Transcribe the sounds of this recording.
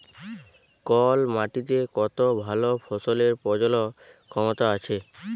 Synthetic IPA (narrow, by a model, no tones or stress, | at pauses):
kɔlmaʈit̪ekɔt̪obʱalofʰɔsoleɾpɔd͡ʑolɔ | kʰɔmot̪aat͡ɕʰe